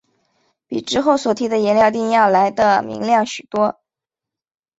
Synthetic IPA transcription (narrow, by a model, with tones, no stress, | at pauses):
pḭ˨˩ʈ͡ʂɻ̩˥xo˥˩ʊswɔ˨˩t̪ʰi˧˥d̪ə˧jɛ˧˥nljɑ˥˧ʊt̪i˥˧ŋjɑ˥˩ʊla˧˥ɪd̪ə˧mḭ˧˥ŋljɑ˥˩ŋɕy˨˩t̪wɔ˥